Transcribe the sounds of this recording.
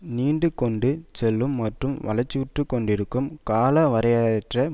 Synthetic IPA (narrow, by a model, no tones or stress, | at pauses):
niːɳɖɯkɔɳɖɯt͡ʃɛlːɯmːɐʈrɯmʋɐlɐt͡ʃːɯʋɪʈrɯkːɔɳɖɪɾɯkːɯmkaːlɐʋɐɾɐjaʈrɐ